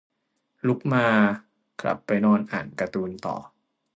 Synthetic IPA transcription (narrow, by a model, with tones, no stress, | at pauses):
lu˦˥k̚maː˧ | kʰla̰˨˩pːa˧jnɔː˧nʔa̰ː˨˩nka˧t̪uː˧nt̪ɔ̰ː˨˩